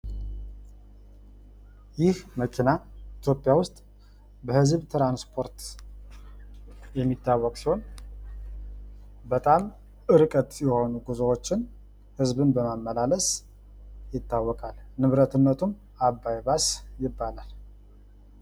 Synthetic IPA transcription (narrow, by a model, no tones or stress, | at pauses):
jɪhməkʰinait̪ʰjo̞pʼjawʊst̪ʼ | bəhɨzβt̪ɾanspʰo̞ɾt̪ | jɛmːit̪ːawːɔkʼsiho̞n | bət̪ʼam | ɨɾɨkʼət̪ʼjɛho̞nuɡuzowot͡ʃːɪn | hɨzbɨnbəmamːəlaləs | jɪt̪ːawːɔkʼalnɨβɾət̪ɨnːət̪ʰum | abːajbasjɪbːalal